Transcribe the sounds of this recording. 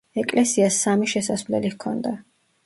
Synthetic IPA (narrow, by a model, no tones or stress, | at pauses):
ɛkʼlɛsiasːamiʃɛsasvlɛ̰likʰɔnd̪a